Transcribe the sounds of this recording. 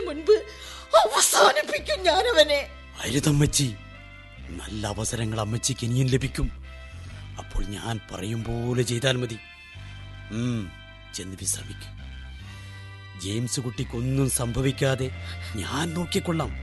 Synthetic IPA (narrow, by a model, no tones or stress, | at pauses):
munbɨ | ɐʋɐsaːnɐpikʲːumɲaːnɐʋɐne | ɐɾuðɐmːɐt͡ɕːi | nɐ̰lːɐːʋɐsɐɾɐŋːɐɭɐmːɐt͡ɕːikenijumlebʱikʲːum | ɐpːo̞ːɭɲa̰ːnpɐ̰rɐjumbo̞ːlet͡ɕe̞jt̪aːlmɐði | m | t͡ɕenːibist̪ʰaːmikʲːu̥m | d͡ʑejmsɨkuʈːikʲːo̞nːumsɐmbʱɐʋikʲːaːðe̞ɲaːnno̞ːkːikːoɭːaːm